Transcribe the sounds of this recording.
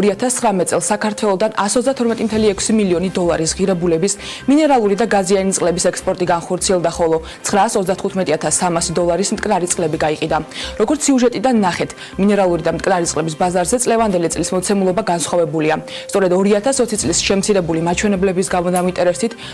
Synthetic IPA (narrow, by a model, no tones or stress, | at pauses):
ɾiat̪ʰast̪ʰχɾamɛt̪sʼɛlˠsːakʰaɾt̪ʰwɛlˠɔd̪anasɔt̪zd̪at̪ʰɔɾmɛt̪ʼimt̪ʰɛliɛkʰsimiliɔnid̪ɔlˠaɾisʁiɾɛbulɛbis | minɛɾalˠuɾid̪aɡazianit̪ʼqʼlɛbisɛkspʼɔɾt̪ʼiɡanχɔɾt̪sʰiɛlˠd̪aχɔlˠɔt̪sʰχɾaːsɔt̪ʰd̪at̪χut̪ʰmɛt̪ʼiat̪ʰasːamasid̪ɔlˠaɾismt̪ʼkʼnaɾit̪sʼqʼlɛbiɡaiqʼid̪aɾɔɡɔɾt̪ssiuʒɛt̪ʼid̪anːaχɛt̪ʰ | minɛɾalˠuɾid̪amt̪ʼkʼnaɾit̪sʼqʼlɛbisbazaɾzɛt̪sʼlɛvand̪ɛlit̪sʼlismɔt̪sʰɛmulˠɔbaɡansχwavɛbulia | st̪sʼɔɾɛd̪ɔɾiat̪ʰasɔt̪sʰit̪ʼlisʃɛmt̪sʰiɾɛbulimat͡ʃʰwɛnɛblɛbisɡamɔd̪amint̪ʼɛɾɛst̪it̪ʰ